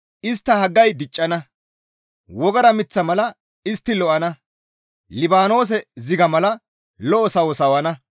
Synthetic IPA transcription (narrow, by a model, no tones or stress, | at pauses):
ʔɪst̪ːɐhɐɡːɐjd̪ɪt͡ʃʼːɐnɐ | wɔɡɐɾɐmɪt͡sːɐmɐlɐ | ɪst̪ːɪlɔʔɐnɐ | lɪbaːno̞ːs̬ɛzɪɡɐmɐlɐ | lɔʔɔsɐwɔsɐwɐnɐ